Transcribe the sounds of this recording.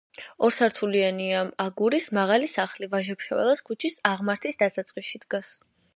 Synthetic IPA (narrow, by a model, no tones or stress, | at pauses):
ɔɾsaɾt̪ʰulianiamaɡuɾismaʁalisaχlivaʒɛpʃavɛ̰lˠaskʰut͡ʃʰisaʁmaɾt̪ʰisd̪asat̪sʼqʼisʃid̪̥ɡas